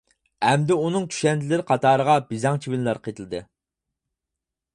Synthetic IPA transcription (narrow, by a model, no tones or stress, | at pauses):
ɛmd̪ɪunɨŋt̪ʰy̥ʃɛnd̪ɪlɪɾqʰɑt̪ɑːɾəʁɑbɪzɑŋt͡ʃʰiwɪnlˠɑɾqʰet̪ʰɨlˠɨd̪ɨ